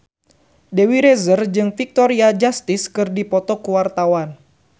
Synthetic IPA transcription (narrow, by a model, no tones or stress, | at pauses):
dewiɾɛzərd͡ʒɨŋfik̚t̪ɔɾiad͡ʒast̪iskɨrdipɔt̪ɔkuwart̪awan